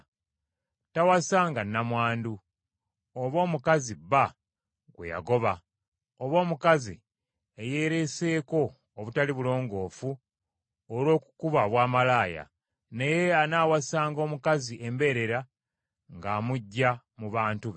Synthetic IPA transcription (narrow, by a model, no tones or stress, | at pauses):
tawasaːŋɡanːamwaːndu | oβo̞ːmukaziba | ɡwe̞̰ja̰ɡo̞βa | oβo̞ːmukazḭ | eje̞ːɾe̞se̞ːko̞ː | βutaliβulo̞ːŋɡo̞ːfu | olo̞ːku̥kuβaβwaːmalaːja̰ | ne̞je̞anaːwasaːŋɡo̞ːmukaziʔe̞mbe̞ɾe̞ɾa | ŋɡaːmuɟːa | muβaːntuβ